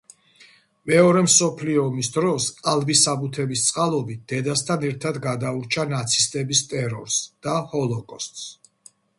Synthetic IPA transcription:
mɛɔɾɛmsɔpʰliɔːmisd̪ɾɔsalˠbisabut̪ʰɛbist̪sʼqʼalˠɔbit̪̚d̪̥ɛd̪ast̪ʰanɛɾt̪ʰad̪ɡad̪auɾt͡ʃʰanat̪sʰist̪ʼɛbist̪ʼɛɾɔ̰ɾsd̪̥ahɔlˠɔkʼɔst̪ʼs

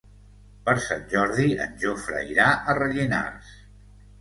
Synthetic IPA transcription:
pəɾsanʲʒɔɾðiə̰nʲʒofɾə̰iɾaʔərəʎina̰s

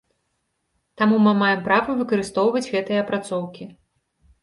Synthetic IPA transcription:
t̪amumɨmajɛmpɾavɐvɨkɐɾɨst̪ɔwvɐd͡zʲɣɛt̪ɨjɐpɾat̪sɔwkʲi

